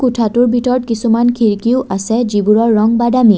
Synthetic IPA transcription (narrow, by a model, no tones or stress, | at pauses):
kutʰatuɹbʱitɔɹɔtkisumankʰiɹkiʊʔasɛzibuɹɔɹːɔŋbadami